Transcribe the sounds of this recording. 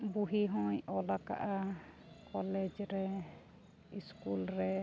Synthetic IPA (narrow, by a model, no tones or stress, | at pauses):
buɦiɦɔ̃jɔlaka̰ʔa | kɔlɛd͡ʒɾɛ | iskulɾɛ